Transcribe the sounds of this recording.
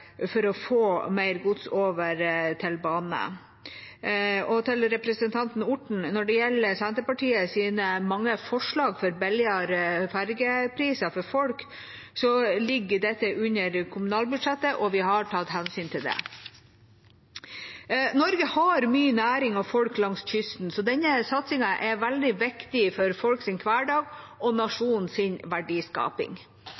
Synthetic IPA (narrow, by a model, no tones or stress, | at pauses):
fɔɾɔfoːmæɪɾɡʊt̪soːʋəɾt̪ʰɪlbɑːnə̰ | ɔt̪ʰɪlɾɛpɾəsənt̪ʰɑnt̪nʊʈɳ̩nɔɖɛjɛlːəsɛnt̪əpɑʈiːəsiːnəmɑŋːəfɔʂɭɑːɡfɔɾbɛljəɾfæɾɡəpʰɾiːsəfɔɾfɔlk | sɔlɪɡːəɖɛt̪ːəʔʉɲəɾkʰʊmʉnɑːlbʉd̪ʂɛt̪ːəʔɔʋɪɦɑʈʰɑt̪hɛnsyːnt̪ʰɪld̪ɛ̰ | nɔɾɡəhɑɾmyːənæːɾɪŋɑʋfɔlklɑŋsçʏst̪n̩sɔd̪ɛnːəsɑt̪sɪŋɑʔɛʋæld̪ɪʋɪkt̪ɪfɔɾfɔlksɪnkʰʋæːɖɑːɡ | ɔnɑʂuːnn̩sɪnʋæɖiːskɑ̰ːpɪ̰ŋ